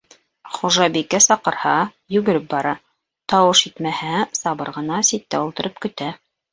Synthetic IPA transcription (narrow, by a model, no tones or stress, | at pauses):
χuʒɑbikːæsɑqɤ̆ɾhɑ | jʉɡɘ̆ɾɘp̚bɑɾɑ | t̪ɑwɤʃit̪mæhæsɑβɤɾʁɤ̆nɑsit̪ːæ̰ulˠt̪ɤ̆ɾʔɤp̚kɵ̆t̪æ